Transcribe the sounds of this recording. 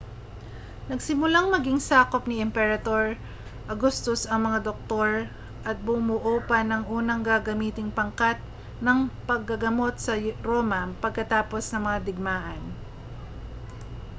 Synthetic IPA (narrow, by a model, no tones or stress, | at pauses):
nɐɡsɪmʊlaŋmɐɡiŋsaːko̞p̚nɪʔɛmpɛɾɐd̪o̞ɹ | ʔɐɡust̪osɐŋmɐŋad̪ok̚t̪o̞ɹ | ʔɐt̪̚bʊmʊʔoːpɐnɐŋʔuːnɐŋɡaɡɐmiːt̪ɪŋpɐŋkat̪̚ | nɐŋpɐɡ̚ːɐɡɐmo̞t̪̚sɐɾoːmɐpɐɡ̚kɐt̪aːpo̞snɐŋmɐŋad̪ɪɡ̚maːʔɐn